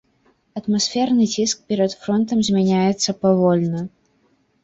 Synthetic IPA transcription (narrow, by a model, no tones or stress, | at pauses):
ɐt̪masʲfʲɛrnɨt͡sʲisk̚pʲɛɾɐt̪fɾɔnt̪ɐmzʲmʲɛnʲajɛt̪sːɐpavɔlʲnɐ